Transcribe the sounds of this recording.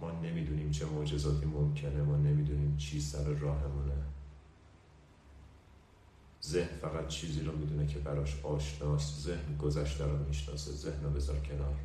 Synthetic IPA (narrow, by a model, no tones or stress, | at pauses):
mɒːne̞miːd̪uːniːmt͡ʃʰe̞mod͡ʒe̞zɒːt̪ʰiːmomcʰe̞ne̞mɒːne̞miːd̪uːniːmt͡ʃʰiːsæɾeɾɒːɦe̞mune | zehnfæɣæt̪̚t͡ʃʰiːziːɾɔːmid̪uːnecʰe̞bæɾɒːʃɒːʃnɒːst̪zehnɡozæʃt̪ʰæɾɒːmiːʃnɒ̰ːsḛze̞hnɔbe̞zɒ̰ːɾcʰe̞nɒːɾ